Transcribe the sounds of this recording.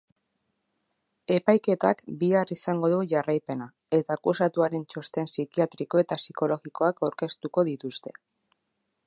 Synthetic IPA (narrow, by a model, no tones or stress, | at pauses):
e̞pajke̞t̪akbiarisaŋɡo̞ðuʝarajpe̞na | e̞t̪akusat̪uaɾe̞nt͡ʃo̞st̪e̞nsikiat̪ɾiko̞e̞t̪asiko̞lo̞ɣiko̞akawɾke̞st̪uko̞ðit̪ust̪e̞̥